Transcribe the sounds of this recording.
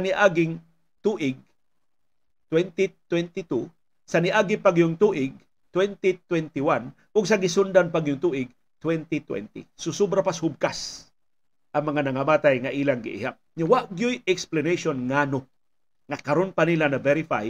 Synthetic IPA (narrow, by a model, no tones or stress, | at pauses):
sɐnɪʔaːɡɪŋ | t̪uːʔɪɡ̚ | t̪wɛnt̪it̪wɛnt̪ɪt̪u | sɐnɪʔaːɡɪpaɡjʊŋt̪uːʔɪɡ̚ | t̪wɛnt̪it̪wɛnt̪ɪwan | ʔʊɡ̚s̬ɐɡɪsʊnd̪anpaɡjʊŋt̪uːʔɪɡ̚ | t̪wɛnt̪it̪wɛ̰nt̪ḭsʊsobɾapashʊb̚kas | ʔɐŋmɐŋanɐŋɐmaːt̪ajŋaʔiːlaŋɡɪ̰ʔɪ̰hap̚ɲawaʔɡjʊjɛksplanejʃonŋano | ŋakɐɾonpanilanɐvɛɾɪfa̰j